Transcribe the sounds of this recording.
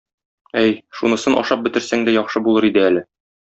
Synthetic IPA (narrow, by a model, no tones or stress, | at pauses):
æjʃunɤ̆sɤnʔɒ̰ʃɑp̚bɘ̆t̪ɘ̆ɾsæŋd̪æjɒχʃɤbulˠɤɾid̪ɘælɘ